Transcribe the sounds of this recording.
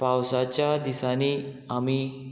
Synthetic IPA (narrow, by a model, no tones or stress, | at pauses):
pawsat͡ɕjad̪isani | ami